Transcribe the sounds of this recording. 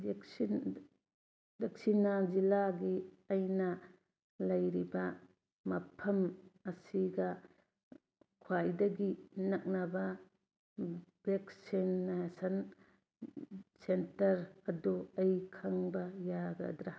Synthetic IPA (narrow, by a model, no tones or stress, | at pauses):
deksin | dek̚sinɐzilaɡi | ɐjnɐ | lɐjɾibɐ | mɐpʰɐmɐsiɡɐ | kʰwajdɐɡinɐk̚nɐbɐ | bek̚sinːasɐn | sentɐɾɐduɐjkʰaŋbɐjaɡɐ̰dɾa